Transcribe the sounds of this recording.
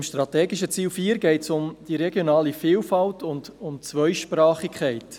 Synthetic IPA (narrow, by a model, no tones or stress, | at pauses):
mʃtɾɑtɛːɡɪʃət͡siːlfiːəɾɡɛɪtsʊmd̥iɾɛɡjonɑːlifɪːlfɑltʊndʊmt͡sʋœʏʃpɾɑːχɪkʰχɛɪt